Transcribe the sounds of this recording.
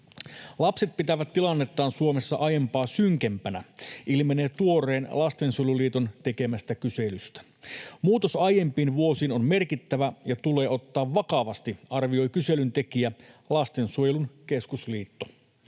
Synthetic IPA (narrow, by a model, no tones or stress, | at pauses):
lɑpse̞t̪̚pit̪æʋæt̪ːilɑnːe̞t̪ːɑːnsuomesːɑʔɑjempɑːsyŋkempænæʔilmene̞ːt̪uo̞re̞ːnlɑst̪e̞nsuojeluliːt̪ont̪e̞ke̞mæst̪ækyse̞lyst̪æ̥ | muːt̪osɑje̞mpiːnʋuo̞siːnonme̞rkit̪ːæʋæjɑt̪ule̞ːʔo̞t̪ːɑːʋʋɑkɑʋɑst̪iɑrʋio̞jkyse̞lynt̪e̞kiælɑst̪e̞nsuojelunke̞skusliːt̪ːo